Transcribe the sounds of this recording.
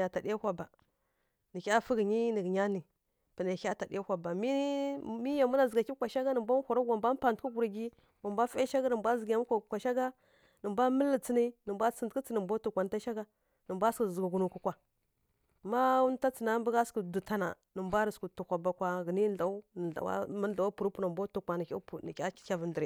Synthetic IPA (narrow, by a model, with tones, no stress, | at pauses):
a˨ta˨ɗa˦hʷa˨ba˨ | nə˨kʲa˦fə˦ɡə˨ɲi˦nə˨ɡɲa˦ni˨ | pə˨na˨˦a˦ta˨dḭ˦a˦hʷa˨ba˨mi˦mi˦ja˨mu˦na˨zə˨ɡa˨ki˦kʷa˨ʃa˦ɡa˦nə˨mbʷa˦n˦xʷa˨ɾa˦ɡa˨mbʷa˦m˦pa˨n˨tku˦ɡu˨ɾa˨ɡi˦ | wʷa˨mbʷa˦fa˦ʃa˦ɡa˦nə˨mbʷa˦zə˨ɡja˨mu˦kʷa˨kʷa˨ʃa˦ɡa˦ | nə˨mbʷa˦mə˦lːə˨t͡si˦ni˦nə˨mbʷa˦t͡sə˨ndkə˦t͡sə˦nə˨mbʷa˦tu˦kʷa˨n˨˦ta˦ʃa˦ɡa˦ | nə˨mbʷa˦skə˨zə˨ɡa˨ɡu˨nu˨ku˨kʷa˨ | ma˦wu˦n˦ta˦t͡sə˨na˦mbə˦ɡa˦skə˨du˨ta˨na̰˨ | nə˨mbʷa˦ɾi˨sku˨tu˨kʷa˨ba˨kʷa˨ɣə˨ni˦ɬa˨u˦˨a̰˨wa̰˦mə˦a˨wa˦pu˨ɾu˦pu˦na˨mbʷa˦tu˨kʷa˨nə˨kʲa̰˦pu˨nə˨kʲḁ˦˨kʲa˦və˨ndə˨ɾi˨